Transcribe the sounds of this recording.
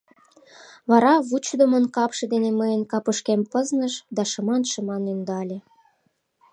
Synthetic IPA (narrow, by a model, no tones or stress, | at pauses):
βɑɾɑβut͡ɕd̪omənkɑpʃĕd̪eneməjənkɑpəʃkempəznəʃd̪ɑʃə̆mɑnʃə̆mɑnynd̪ɑlʲe